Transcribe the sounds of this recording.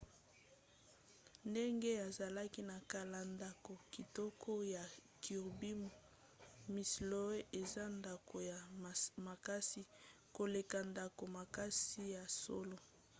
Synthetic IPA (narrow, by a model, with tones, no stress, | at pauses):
nde˦ŋɡe˦a˨za˨la˦ki˦na˨ka˨la˨nda˨ko˨ki˨tɔ˦kʰo˦ja˨kʰi˨ʁbi˦mo˨ | mi˨slo˦e˦ʔe˨za˦nda˨ko˨ja˨ma˨ka˦si˦ | ko˨le˨ka˨nda˨ko˨ma˨ka˦si˦ja˨so˦lo˦